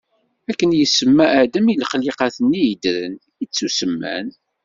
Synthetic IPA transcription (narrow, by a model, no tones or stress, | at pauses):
ækːənjəsːəmːæʔːʕd̪əmilχliqɑθənːijəd̪ɾə̰n | it͡sːusəmːæ̰n